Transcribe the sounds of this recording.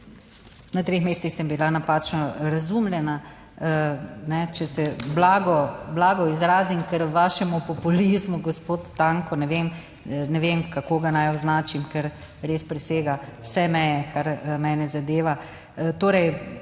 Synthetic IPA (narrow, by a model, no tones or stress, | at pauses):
nat̪ɾexmeːst̪ixsɛmbilanapaːt͡ʃnɔɾazumlʲjɛna | nɛt͡ʃɛsɛblaːɡɔblaːɡɔizɾaːzimkɛɾʋaːʃɛmupɔpulizmuɡɔspoːt̪ːaːŋkɔnɛʋem | nɛʋemkakoːɡanajɔznaːt͡ʃimkɛɾ | ɾeːspɾɛseːɡawsɛmɛːjɛkʰaɾmɛːnɛzad̪eːʋa | t̪oːɾɛj